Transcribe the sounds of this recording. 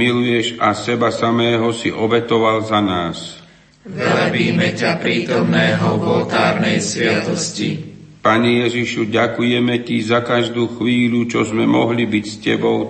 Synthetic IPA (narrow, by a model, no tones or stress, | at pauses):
ilujɛʒasɛbasamɛːɦɔsiʔɔbɛt̪ɔʋalzanaːs | vlɛbiːmɛcapɾiːt̪ɔmnɛːɦɔʋɔlt̪aːɾnɛjsʋɪat̪ɔscḭpaɲɛjɛʒiʃuɟakujɛmɛcizakaʒd̪uːxʋiːlut͡ʃɔzmɛmɔɦlibicscɛbɔʊ